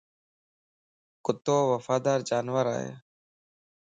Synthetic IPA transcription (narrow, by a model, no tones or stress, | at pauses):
kʊt̪ːoːʋəfaːd̪aːɾd͡ʒaːnʋəɾa̰ːɦḛː